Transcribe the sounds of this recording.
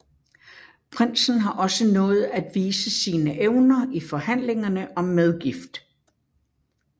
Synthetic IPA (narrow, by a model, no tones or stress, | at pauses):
pʰʁen̰sn̩ɦɑ̈ʔɒ̽sənɔ̽ːð̞̩ˠæd̥ʋiːsəsiːnəʔeʊnɐifɒ̽hæn̰le̝ŋɐnəʔɒ̽mːeð̞ˠɡ̥ifd̥